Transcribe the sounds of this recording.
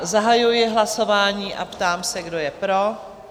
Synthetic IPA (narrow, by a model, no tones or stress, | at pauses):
zaɦajujɪɦlaso̞vaːɲiːʔa̰pt̪aːmsɛɡdo̞jɛpɾo̞